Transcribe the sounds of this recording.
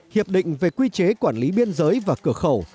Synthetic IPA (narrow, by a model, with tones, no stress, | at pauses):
hi˨˩əp̚ɗḭ̈˧˨ŋ̟ve˨˩kwi˧t͡ɕe˨˦kwaː˧˩nli˨˦ɓi˧ənzəː˨˦jvaː˨˩kɨ˧˩əxə˧˩w